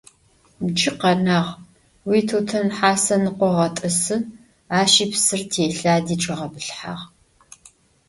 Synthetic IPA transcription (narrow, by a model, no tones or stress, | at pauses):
md͡ʒɪqɐnaːʁ | wiːtʰoːtʰɐnħaːsɐnɨqʷɔʁɐtʼɨsɨ | aːʃiːpsɨrtʰeːɬaːdiːʈ͡ʂʼɐʁɐbɨɬħa̰ːʁ